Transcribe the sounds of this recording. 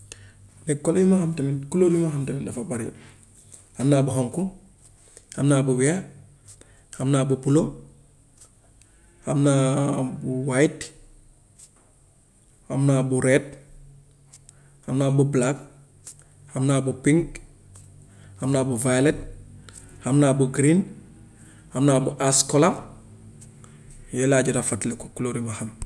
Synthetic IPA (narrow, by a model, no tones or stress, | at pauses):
nekːoljumahamtenikulolumaɦamtenindafabaɾijo̰ | hamnaːbuɦoŋku | hamnabuwe | hamnaːbupulo | hamnabuwajt | hamnabuɾet̚ | hamnabublak | hamnaːbupiŋk | hamnaːbuvalet̚ | hamnaːbuɡɾin | hamnaːbuʔaskola | jolaːɟutafatleko̥kuloːɾimaham